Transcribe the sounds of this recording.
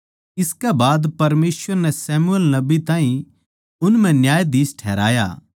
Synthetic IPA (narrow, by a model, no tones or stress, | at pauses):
ɪskɛbaːd̪pɐɾmeːsʋəɾnɛsɛːmuəlnɐbit̪ãːĩ | ʊnmɛ̃njaːjd̪iːsʈʰɛːɾa̰ːja̰